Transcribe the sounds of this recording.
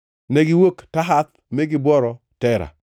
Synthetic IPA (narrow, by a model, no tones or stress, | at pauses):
nɛɡɪwoktaɦat̪ | mɛɡɪbwɔɾɔ | tɛɾa̰